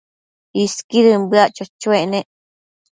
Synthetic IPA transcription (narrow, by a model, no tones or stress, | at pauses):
iskiɾɨmbɨaʔt͡ʃot͡ʃuẽʔnẽʔ